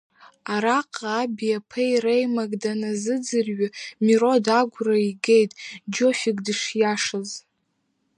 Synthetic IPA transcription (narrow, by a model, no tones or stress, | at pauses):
aɾaqʼːbijapʰejrejmaɡʼdanazɨd͡zɨrɥɪmiro̞daɡʷraiɡejtʼd͡ʒo̞fiɡʼdɨʂjaʂaz